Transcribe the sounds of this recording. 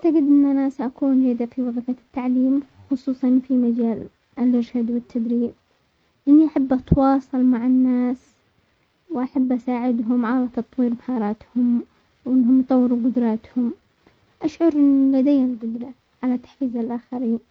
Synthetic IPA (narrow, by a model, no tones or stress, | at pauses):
ʔaʕt̪aɡɪd̪ʔɪnːʔanaːsʔakuːnd͡ʒaːd̪afiwɑɣɑfat̪ːaʕliːmxʊsˤuːsˤɑnfimad͡ʒaːl | ʔɪlʔɪɾʃad̪wɪt̪ːad̪ɾiːb̚ | ʔɪnːiʔaħabːʔɑt̪wɑːsˤɑlmaʕanːaːs | wʔaħabːʔasaːʕɪd̪ɦʊmʕalat̪ɑt̪ˤwiːɾmahɑːɾˤɑːt̪hʊm | wʔɪnːɦʊmjt̪ˤɑwːɪɾuɡʊd̪ɾˤɑːt̪hʊm | ʔaʃʕʊɾʔɪnlad̪ajːɪlɡʊd̪ɾˤɑ | ʕalat̪ːḁħfiːzalʔaxaɾiːn